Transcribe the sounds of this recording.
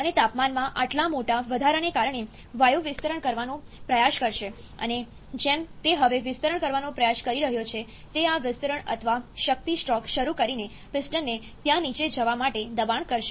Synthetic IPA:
ənet̪apmanmãʔaʈlamoʈaʋəd̪ʱaɾənekaɾɳe | ʋajuʋɪst̪əɾəɳkəɾʋanũpɾəjaʃkəɾʃe | ə̰ne | d͡ʒɛmt̪eɦəʋeʋɪst̪əɾəɳkəɾʋanopɾəjaʃkəɾiɾəɦjot͡ʃʰe | t̪eaʋɪst̪əɾəɳə̰t̪ʰəʋaʃək̚t̪isʈɾɔkʃəɾukəɾine | pɪsʈənːe | t̪jãnit͡ʃed͡ʒəʋamaʈed̪əbaɳkəɾʃe

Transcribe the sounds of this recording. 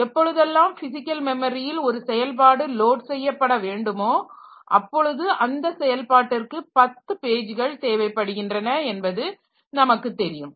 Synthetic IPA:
ɛpːɔɻɯðɛlːaːmfɪsɪkːɐlmɛmɐɾɪjɪlɔɾɯsɛjɐlp̬aːɽɯloːʈsɛjːɐpːɐɽɐʋeːɳɖɯmoː | ʔɐpːɔɻɯðɯʔɐnd̪ɐsɛjɐlpaːʈːɪrkɯpɐt̪ːɯpeːd͡ʒɯɣɐɭt̪eːʋɐɪpːɐɽɯɣɪndrɐnɐɛnbɐðɯ | nɐmɐkːɯt̪ːɛɾɪjɯm

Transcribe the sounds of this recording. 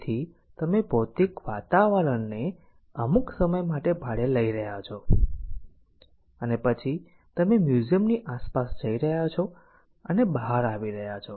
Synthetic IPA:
t̪ʰi | t̪əmebot̪ikʋat̪aʋəɾəɳne | əmuksəməjmaʈebʱaɽeləiɾəɦjat͡ʃʰo | ənepət͡ʃʰi | t̪əmemjuzijəmniʔaspasd͡ʒəiɾəɦjat͡ʃʰɔ | ənebəɦaɾaʋiɾəɦjat͡ʃʰɔ

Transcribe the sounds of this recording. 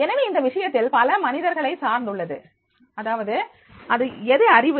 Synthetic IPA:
ɛnɐʋeːɪnd̪ɐʋɪʂɐjɐt̪ːɪlpɐlɐmɐnɪðɐɾɣɐɭɐɪsaːɾnd̪ɯɭːɐðɯ | ɐðaːʋɐðɯ | ʔɐðɯɛðɯɐrɪʋɯ

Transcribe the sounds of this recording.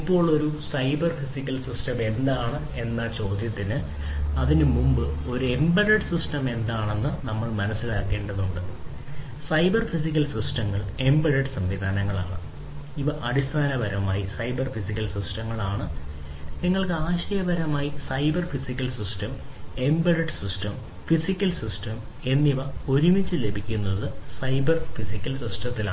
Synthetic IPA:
ipːo̞ːɭo̞ɾusɐjbɐrfisikʲːɐlsisʈɐme̞nd̪aːɳɨ | e̞nːɐt͡ɕo̞ːd̪ʱjɐt̪ːinɨ | ɐðinɨmumbɨo̞ɾuembɐɾɐʈsisʈɐme̞nd̪aːɳe̞nːɨnɐmːɐɭmɐnɐsːilaːkːe̞ːɳɖɐðuɳɖɨɨ | sɐjbɐrfisik̬ʲːɐlsisʈɐŋːɐɭe̞mbɐɾɐɖsɐmʋid̪ʱaːnɐŋːɐɭa̰ːɳɨ | iʋɐʔɐɽist̪ʰaːnɐbɐɾɐmaːjisɐjbɐrfisikʲːɐlsisʈɐŋːɐɭaːɳɨ | niŋːɐɭkɨaːɕɐjɐbɐɾɐmaːjisɐjbɐrfisikʲːɐlsisʈɐme̞mbɐɽɐʈsisʈɐm | fisikʲːɐlsisʈɐm | e̞nːiʋɐo̞ɾumit͡ɕːɨle̞bʱikʲːunːɐðɨsɐjbɐrfisikʲːɐlsisʈɐt̪ːila̰ː

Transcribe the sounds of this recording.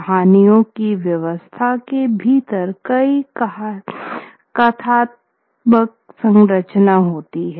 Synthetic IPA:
ɦaːnijõkiʋjɐʋəst̪ʰakebʱiːt̪əɾkɐi | kɐt̪ʰaːt̪̚ | bək | sə̃ŋɡɾət͡ʃnaɦoːt̪iɦɛː

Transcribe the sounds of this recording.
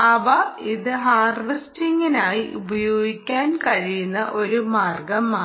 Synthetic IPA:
ɐʋɐiðɨɦaːrʋistiŋɡinaːjiʔubɐjoːɡikʲːaːnkɐɻijunːɐʔo̞ɾumaːrɡɐmːaː

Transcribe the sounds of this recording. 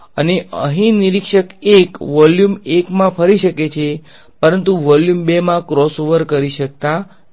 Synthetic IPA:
əneʔə̰ɦĩniɾikʃəkekʋɔljumekmãpʰəɾiʃəket͡ʃʰe | pəɾənt̪uʋɔljumbemãkɾɔsoʋəɾkəɾiʃək̚t̪a

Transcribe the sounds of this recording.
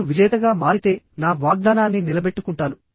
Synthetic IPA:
uʋid͡ʒɐjɐt̪ɐɡaːmaːɾit̪e̞ː | naːʋaːɡ̚d̪aːnaːnːinilɐbe̞ʈːukuɳʈaːnu

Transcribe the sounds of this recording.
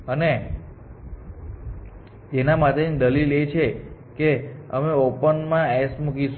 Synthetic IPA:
əne | d͡ʒenamat̪end̪əlilet͡ʃʰekeəmeopənmãɛsmukiʃ

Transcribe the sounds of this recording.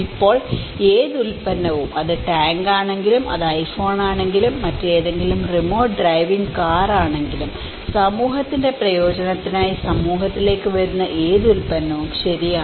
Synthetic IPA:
ipːo̞ːɭ | e̞ːðulpɐnːɐʋumʔɐðɨʈaːŋɡaːɳe̞ŋɡilumʔɐ̰ðɐjfo̞ːɳaːɳe̞ŋɡilumːɐtːe̞ːðe̞ŋɡilumrimo̞ːɖrɐjʋiŋɡkaːraːɳe̞ŋɡilum | sɐmuːɦɐt̪ːinde̞prɐjo̞ːd͡ʑɐnɐt̪ːinaːjisɐmuːɦɐt̪ːile̞ːkːɨʋeɾunːɐʔe̞ːðulpɐnːɐʋumɕɐɾijaː

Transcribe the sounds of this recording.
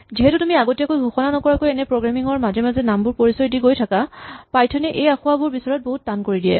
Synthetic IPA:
ziɦɛtutumiaɡotijakojbʱuxɔnanɔkɔɹakojɛnɛpɹoɡɹamiŋɔɹmazɛmazɛnambʊɹpoɹisɔjdiɡojtʰakapajtʰɔnɛʔejaxʊwabʊɹbisɔɹɔt̚boɦut̚ːankoɹidijɛ̰

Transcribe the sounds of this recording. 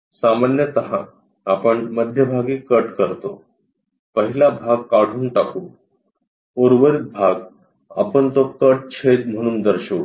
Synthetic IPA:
samanjət̪əɦã̰ | apəɳməd̪ʱjəbʱaɡiːkəʈkəɾt̪o | pəɦilabʱaɡkaɽ̤ʱuːnʈakuː | oɾʋəɾit̪̚bʱaɡ | a̰pəɳt̪okəʈ̚t͡ɕʰed̪m̤əɽ̃uːnd̪əɾɕə

